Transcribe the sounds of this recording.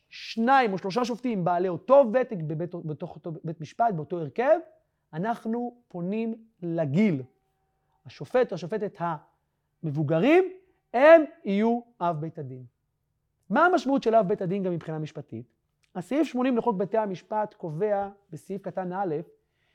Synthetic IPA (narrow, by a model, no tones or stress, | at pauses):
ʃnaimo̞ʃlo̞ʃ̬aʃ̬oftimbaːleoto̞vetekbebeetoχobetmiʃpat̚beo̞to̞eʁke̞v | anaχnupo̞nim | laɡil | haʃofe̞taʃofe̞tet̪ha | me̞vuɡaʁim | emijuʔafbetadin | maːmaʃmautʃelavbetad̪inɡamːipχinamiʃpatḭt | hasiifʃmo̞nimleχo̞k̚betehamiʃpat̪ko̞ve̞abesiifkatanale̞f